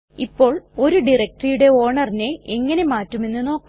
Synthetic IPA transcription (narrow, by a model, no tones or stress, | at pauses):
ipːo̞ːɭo̞ɾuɖirɐk̚ʈrijuɽe̞o̞ːɳɐrine̞eŋːɐne̞maːtːume̞nːɨno̞ːkːu